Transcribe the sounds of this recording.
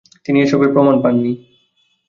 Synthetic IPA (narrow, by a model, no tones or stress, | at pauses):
t̪inieʃɔbeɾpɾomanpanːi